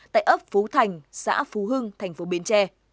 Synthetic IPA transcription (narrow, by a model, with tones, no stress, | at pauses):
t̪a̰ː˧˨jʔəː˦˥p̚fu˨˦t̪ʰa˨˩jŋ̟sa̰ː˧˥fu˨˦ɦɨ˧ŋt̪ʰa˨˩jŋ̟fo˨˦ɓi˨˦ənt͡ɕɛ˧